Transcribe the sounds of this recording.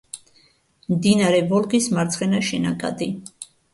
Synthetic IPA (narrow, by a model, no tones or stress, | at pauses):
md̪inaɾɛvɔlɡismaɾt̪sʰχɛnaʃɛnakʼa̰d̪i